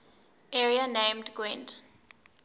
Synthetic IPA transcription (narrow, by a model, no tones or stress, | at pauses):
ɛɹianẽmdɡwɛ̃nd